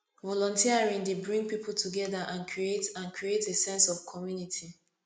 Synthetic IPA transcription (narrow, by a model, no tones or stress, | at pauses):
vɔlɔ̃ntiaɹĩŋdebɹĩŋɡpipul̩tʰuɡɛðaʔãnkʰɹietãnkɹietesɛ̃nsɔv̥kʰɔmjunitʰi